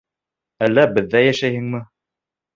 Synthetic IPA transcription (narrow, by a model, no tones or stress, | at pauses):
ælːæbɘ̆ðːæjæʃæjhɘ̆ŋmɘ